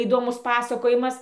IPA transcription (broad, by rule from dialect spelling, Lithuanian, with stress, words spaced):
iːdoːˈmʊs ˈpɑːsɐkoːjɪmɐs